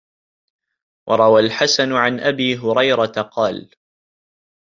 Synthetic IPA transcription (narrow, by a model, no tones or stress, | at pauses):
wʔɑɾˤɑwalħasanʕanʔabiːɦʊɾɑjɾɑt̪aqɑːl